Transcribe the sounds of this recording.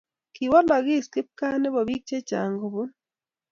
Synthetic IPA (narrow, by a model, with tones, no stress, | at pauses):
kiwa˦la˨ɣi˦ski˦p̚kaː˦ne˦βo˨βiː˦kt͡ʃe˦ca̰ː˨ŋɡo˨βu˦n